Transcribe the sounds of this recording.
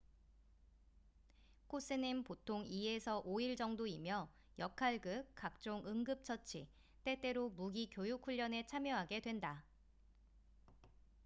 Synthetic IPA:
kʰos͈ɯnimpotʰoŋie̞sʰʌʔoiɭd͡ʑʌŋdoimjʌ | jʌkʰaɭɡɯk̚k͈ak̚t͡ɕ͈oŋɯŋɡɯp̚t͡ɕʰʌt͡ɕʰi | t͈e̞t͈e̞ɾomuɡikjojukʰːuʎːʌne̞t͡ɕʰamjʌɦaɡe̞dwe̞nda

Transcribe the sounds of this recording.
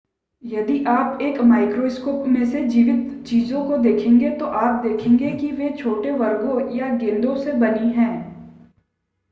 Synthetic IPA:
jɐd̪iʔaːpeːkmaːɪkɾoːskoːpmẽsed͡ʒiːʋɪt̪t͡ʃiːzõkod̪eːkʰẽːŋɡet̪oʔaːp̚d̪eːkʰẽːŋɡekiʋet͡ʃʰoːʈeʋɐɾɡõjaɡẽːnd̪õsebɐniɦɛ̃ː

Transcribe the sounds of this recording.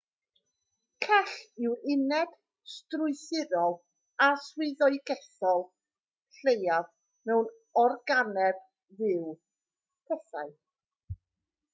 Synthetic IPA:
kʰɛɬɪwɪnɛd̥ | strʊɨθɪðɔlˠ | aswɨðɔɨɡɛθɔlˠ | ɬejav | mɛwn | ɔrɡanɛb | ðɪw | pʰɛθa̰ɨ

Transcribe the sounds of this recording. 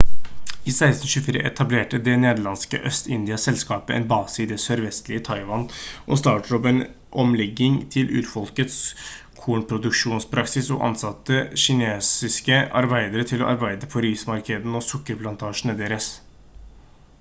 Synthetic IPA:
iːsæɪst̪n̩ɕʉfiːɾə̰ʔɛ̰t̪ʰɑbleːʈəd̪ɛneːd̪əɭɑnskə̰ʔœst̪ɪnd̪ɪɑsɛlskɑːpəʔɛ̰nbɑːsɪd̪ɛsœɾʋɛst̪lɪət̪ʰɑɪʋɑnʔɔ̰st̪ɑːʈəɾɔpɛn | ʔɔmlɛɡːɪŋt̪ʰɪlʔʉ̰ːɾfɔlkət̪s | kʰuːɳpʰɾʊd̪ʉkʂuːnspʰɾɑksɪsɔ̰ʔɑ̰nsɑt̪ːəɕɪneːsɪskəʔɑɾbæɪd̪əɾət̪ʰɪlɔ̰ʔɑɾbæɪd̪əpʰɔɾiːsmɑɾkəd̪ən̩ɔsʊkːəɾpʰlɑnt̪ʰɑːʂn̩əd̪eːɾəs

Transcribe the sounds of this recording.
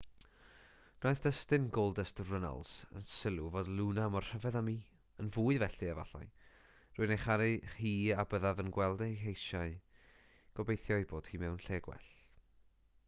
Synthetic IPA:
n̥ɔjθd̥əstɨnɡolˠdəstrəna̰lˠsə̰nsɪlˠuvoːdlˠunamɔrr̥əvɛðamiː | ənvuːɨvɛɬɨava̰ɬɔ̰j | rʊɨnejχaɾɨriːabəðavənɡwɛlˠdɛɦejʃaɨ | ɡ̥ɔbejθjɔɨboːd̥hiːmɛwnɬɛːɡwɛ̰ɬ

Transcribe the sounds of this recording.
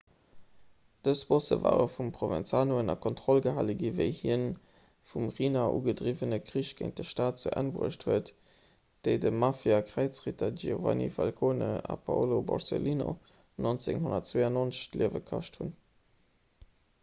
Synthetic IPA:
d̥əsb̥osə̰va̰ːʁəfumpʁovɛ̰nt͡saːnoənɑkʰɔntχɔlɡəɦaːləɡivəɪhiən | fumʁiːnaʔṵɡədʁivənəkʁiɕɡ̥eɪŋ̚d̥əʃtaːt̚t͡suʔænbʁə̰əʃthuət | d̥əɪdəmafjakʁæɪt͡sʁitʰɐd͡ʒiova̰nḭfalkʰoːnəɑ̰pʰaolobɔ̰ʁsḛliːno̰ | nont͡seŋhʊnɐtt͡sweɪɑnont͡sə̥ɕliəvəkʰɑʃtʰhun

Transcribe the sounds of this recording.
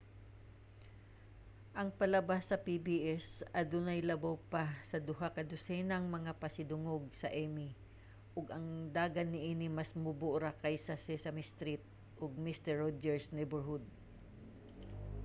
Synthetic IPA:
ʔɐŋpɐlɐbasːɐpibiʔɛsɐd̪ʊnɐjlɐbawpasɐd̪ʊɦakɐd̪ʊsɛnɐŋmɐŋapɐsɪd̪ʊŋoɡ̚sɐʔɛmi | ʔʊɡɐŋd̪aːɡɐnːɪʔiːnɪmɐsmʊbʊʔɾakɐjsɐsɛsɐmɪst̪ɾit̪̚ | ʔoɡ̚mist̪ɛɹːod͡ʒɛɹsnɛjbɛɹhʊd̪̚

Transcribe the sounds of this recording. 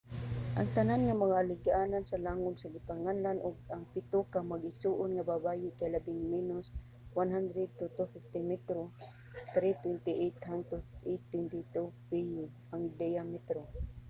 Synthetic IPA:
ʔaŋt̪ananŋamɐŋaʔːlɪɡaʔaːnansɐlaːŋʊd̪saɡɪpaŋanlanʊɡaŋpɪt̪okamaɡɪsuːʔʊnŋababaːjɪkajlabɪŋmɛnʊs | wanɦand̪ɾɛd̪̚t̪ut̪ʊfɪft̪ɪmɛt̪ɾo | t̪ɾɪt̪wɛnt̪ɪʔɛt̪hant̪ʊɛt̪wɛnt̪ɪt̪upɪjɪ | aŋd̪ɛjamɛt̪ɾo

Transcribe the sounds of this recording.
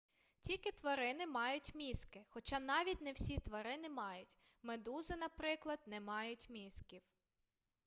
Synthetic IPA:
tʲilʲkɪt̪ʋɐɾɪnɪmɑjʊtʲmʲiskɪxɔt͡ʃɑnɑʋʲitʲnɛwsʲit̪ʋɐɾɪnɪmɑjʊtʲ | med̪uzɪnɐpɾɪklˠɐd̪nɛmɑjʊtʲmʲiskʲiw

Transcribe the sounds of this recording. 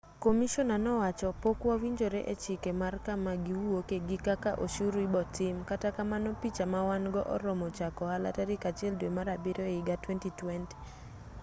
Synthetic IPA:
komiʃɔnanɔwat͡ʃɔpokwawiɲd͡ʒoɾeʔet͡ʃɪkemarkamaɡiwuwokeɡikakaʔoʃuɾibɔtɪmkatakamanɔpit͡ʃamawanɡɔ̰ʔɔ̰ɾɔmɔt͡ʃakɔhala̰taɾɪkat͡ʃɪɛldwemaɾabɪɾoɪɡatwɛntitwɛnti̥

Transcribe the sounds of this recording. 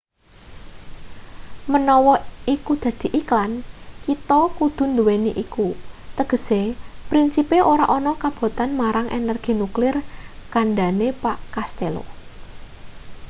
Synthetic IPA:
mənɔwɔikud̪̥ä̤d̪̥i̤ʔiklankit̪ɔkud̪̥ʊ̤nd̪uweniʔikut̪əɡ̥ə̤sepɾinsipeʔoɾaʔɔnɔkab̥o̤t̪anmaɾaŋʔḛnɛrɡ̥i̤nuklɪrkanɖanepaʔkast̪elo̰

